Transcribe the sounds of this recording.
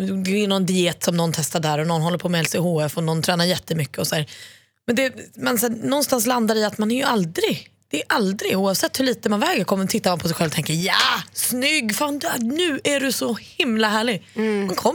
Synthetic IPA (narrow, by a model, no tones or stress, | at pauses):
d̪ɛɪnɔnd̪ɪeːt̪sɔmnɔnt̪ʰɛst̪aɖæːɾɔnɔnːɦɔlːəɾpʰɔːmɛɛlsehoːɛfɔnɔnt̪ʰɾɛːnaɾjɛt̪ːəmʏkːəɔsɔd̪æːɾ | mɛnd̪ɛmɛnsæːnɔnst̪ans̬land̪aɾɪat̪manæɾjɵald̪ɾɪɡd̪̥ɛːʔald̪ɾɪɡuːɑvsɛt̪ːhɵɭiːt̪əmanvɛːɡəɾkʰɔmːət̪ʰɪt̪ːaɾmanpʰɔsɛjɧɛlvɔt̪ʰɛŋkəɾjaːsnʏɡːfand̪anʉ̟ːʔæɖɵsɔhɪmlaɦæːɭɪɡmankʰɔm